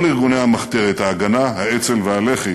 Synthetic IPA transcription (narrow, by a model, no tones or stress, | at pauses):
liʁɡunejhamaχt̪eʁet̪haːɡanaɦaet͡selvehaleχe